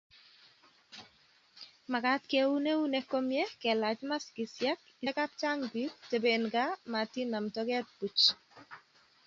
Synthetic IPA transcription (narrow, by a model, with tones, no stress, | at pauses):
ma˨ka˦tke˦u˦ne˦u˦neko˦mje˦kɛ˨la˨t͡ʃma˦ski˨sja˦k̚ | ɪka˦p̚t͡ʃa˦ŋɡwi˦t̚te˨be˨nɡa˦ma˨ti˦na˨mtɔ˦kɛ˦t̚pu˨t͡ʃ